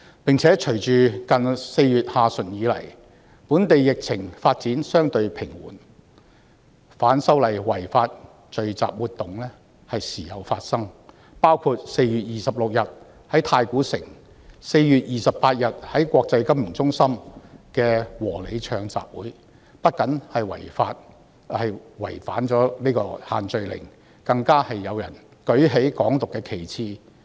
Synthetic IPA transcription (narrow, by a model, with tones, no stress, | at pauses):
pɪ˨ŋt͡sʰɛː˨˥t͡ʃʰɵ˨˩ɥt͡ʃyː˨kɐ˨nse˧jɥyː˨t̚haː˨˧sɵ˨˩njiː˨˥lɐ̰˨˩j | puː˨˥nt̪e˨jːɪ˨k̚t͡sʰɪ˨˩ŋfaː˧t̚t͡siː˨˥nsœː˥ŋt̪ɵ˧ɥpʰɪ˨˩ŋwṵː˨˩n | faː˨˥nsɐ˥wlɐ˨˩jwɐ˨˩jfaː˧t̚ | t͡ʃɵ˨ɥt͡sa̰ː˨p̚wuː˨t̪ʊ˨ŋlɛː˥ | hɐ˨jsiː˨˩jɐ˨wfaː˧t̚sɐ˥ŋ | paː˥wkʰuː˧t̚se˧jjyː˨t̚jiː˨sɐ˨p̚lʊ˨k̚jɐ˨t̚ | hɐ˨˥jt̪ʰaː˧jkuː˨˥sɪ˨˩ŋ | se˧jjyː˨t̚jiː˨sɐ˨ppaː˧t̚jɐ˨t̚hɐ˨˥jkʷɔː˧k̚t͡sɐ˧jkɐ˥mɪ˨˩ŋt͡sʊ˥ŋsɐ˥mkɛː˧wɔː˨˩le˨˧jt͡ʃʰœː˧ŋt͡sa̰ː˨p̚wuː˨˥j | pɐ˥t̚kɐ˨˥nhɐ˨jwɐ̰˨˩jfaː˧t̚ | hɐ˨jwɐ˨˩jfa̰ː˨˥nt͡ʃɔː˨˥niː˥kɔː˧haː˨nt͡ʃɵ˧ɥlɪ̰˨˩ŋ | kɐ˧ŋkaː˥hɐ˨jːɐ˨˧wjɐ˨˩n | kɵ˨˥ɥɦe˨˥jkɔː˨˥ŋt̪ʊ˨kːɛː˧kʰe˨˩jt͡sʰiː˧